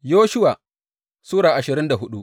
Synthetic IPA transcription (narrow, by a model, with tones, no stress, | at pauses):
joː˦ʃʊ˦waː˨ | suː˦ɽaː˨ʔa˨ʃɪ˨ɾɪ˦nda˨ɦʊ˦ɗu˦ʔ